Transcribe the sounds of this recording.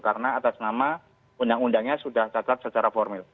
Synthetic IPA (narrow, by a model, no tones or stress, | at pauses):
kaɾənaːt̪asnama | undaŋundaŋɲasudaht͡ʃat̪at̪̚sət͡ʃaɾafɔrmɪl